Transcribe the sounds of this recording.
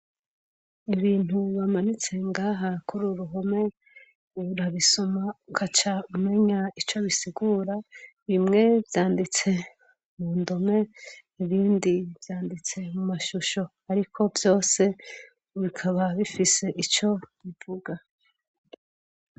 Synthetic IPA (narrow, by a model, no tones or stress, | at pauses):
iβiːn̥uβamanit͡se̞ŋɡaːɦakuɾuɾuɦo̞me̞ | uɾaβisomaukʰat͡ʃaume̞ɲait͡ʃo̞βisiɡuːɾaβimŋe̞vjaːndit͡se̞ | muːndome̞ | iβiːndivjaːndit͡se̞mumaʃuʃo̞ | aɾikʰo̞vjo̞ːse̞ | βikʰaβaβifise̞ʔit͡ʃo̞βivuɡa